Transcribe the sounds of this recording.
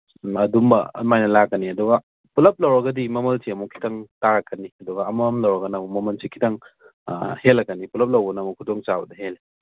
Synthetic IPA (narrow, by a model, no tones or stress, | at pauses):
ɐdumbɐ̰majnɐlakːɐniɐduɡɐ | pulɐp̚lɐwɾɐɡɐdimɐmɐlsiɐmukʰi̥tʰɐŋtaɾɐkːɐniɐduɡɐːmɐmlɐwɾɐɡɐnɐmumɐmɐlsikʰitɐŋ | helɐkːɐnipulɐp̚lɐwbɐnɐmukʰudoŋt͡ʃabɐdɐɦele